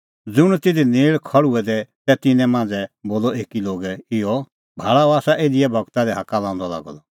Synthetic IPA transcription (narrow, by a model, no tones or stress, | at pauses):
d͡zʊɽ̃t̪ɪd̪ineːɭkʰɐɭuɛd̪ɛt̪ɛt̪ɪnɛ̃mãːnd͡zɛboːlɔeːkiloːɡɛɪɔ | bʱaːɭaɔaːsaʔeːd̪ɪɛbʱɔɡt̪ad̪ɛɦakalãːʊ̃nd̪ɔla̰ːɡɔd̪ɔ